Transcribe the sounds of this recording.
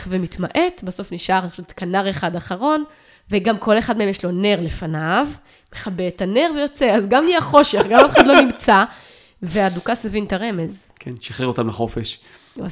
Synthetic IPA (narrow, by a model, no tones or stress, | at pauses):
vemitmaʔe̞t̪baso̞fniʃʔaʁanixoʃevet̪kanaʁeχad̪aχaʁo̞n | veɡamkʰo̞leχad̪meemjeʃlo̞ne̞ʁlefanav | meχabetane̞ʁvejo̞t͡seazɡamliaχo̞ʃeχɡamafeχadlo̞nimt͡sa | veadukasevintaʁe̞me̞z | kʰenʃaχeʁo̞t̪amlaχo̞feʃ | a̰